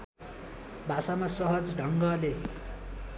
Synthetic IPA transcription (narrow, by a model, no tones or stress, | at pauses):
bʱasamasʌɦʌd͡zɖʱʌŋɡʌle